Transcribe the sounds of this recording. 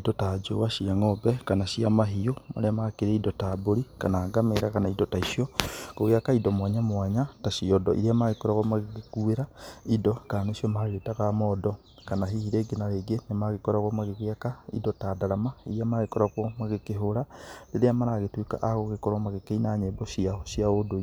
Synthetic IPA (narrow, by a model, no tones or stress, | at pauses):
idɔtad͡ʒo̰waʃiaŋɔbɛkanaʃiamaɦioma̰ɾeamakeɾeidɔtaboɾika̰naːɡameɾakanaidɔtaiʃjɔkoɣwjakaidɔmwaɲamwaɲataʃiɔdɔ̰ʔḭɾiamaɣekɔɾaɣwɔmaɣekekueɾaidɔkaneʃiɔmaɣetaɣamɔdɔ | kanaɦihiɾeɡenaɾeɡenemaɣekɔɾaɣwɔmaɣeɣwakaḭdɔtadaɾamaiɾiamaɣekɔɾakwɔmaɣekeɦoɾaleɾeamaɾaɣetweka̰ʔaɣoɣekɔɾamaɣekeinaɲeːbɔʃiaɔʃjaodo